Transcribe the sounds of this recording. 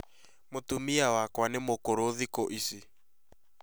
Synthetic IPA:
motumiawakwanemokoɾoðikoʔisi

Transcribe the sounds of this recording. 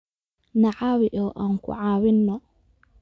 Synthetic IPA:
naʕawɪʔɔʔaŋkʊ̰ʕawɪnːɔ

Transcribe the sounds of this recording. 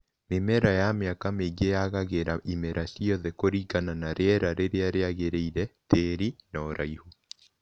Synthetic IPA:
memɛɾajameakameɡejaɣaɣeɾaʔimɛɾʔasiɔðɛkoɾikananaɾeɛɾaɾeɾeaɾeaɣeɾeiɾɛteɾinɔɾaiho

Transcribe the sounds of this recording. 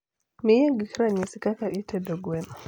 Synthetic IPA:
miaɡikɾaɲisikakaʔitʰɛdɔɡɛna

